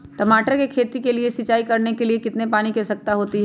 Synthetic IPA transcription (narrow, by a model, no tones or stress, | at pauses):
ʈɐmaːʈəɾkekʰeːt̪ikelieʃɪt͡ʃaːikɐɾnekeliekɪt̪nepaːnikɛsɐk̚t̪aɦoːt̪iɦɛ